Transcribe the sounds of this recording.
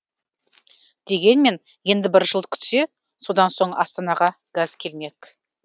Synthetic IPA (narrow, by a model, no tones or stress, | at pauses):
d̪̥e̞ɡʲe̞nme̞n | je̞nd̪ɪbɪɾʒəlˠd̪əkʲʰʏ̥t̪se̞ | so̞d̪ɑnso̞ɴɑ̰st̪ɑnɑʁɑ | ɡ̥azkʲʰe̞lme̞k